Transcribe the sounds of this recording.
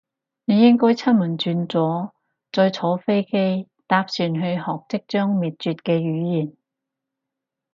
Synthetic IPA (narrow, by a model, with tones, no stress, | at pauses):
ne˨˧jɪ˥ŋkɔː˥jt͡sʰɐ˥nmɐ˨˩nt͡ʃyː˧nt͡sɔː˨˥ | t͡sɔː˧jt͡sʰɔː˨˥wfe˥jke˥j | t̪aː˧p̚syː˨˩nɦɵ˧ɥhɔː˨k̚t͡sɪ˥k̚t͡ʃœː˥ŋmiː˨t̚t͡ʃyː˨t̚kɛː˧jyː˨˧˥jiː˨˩n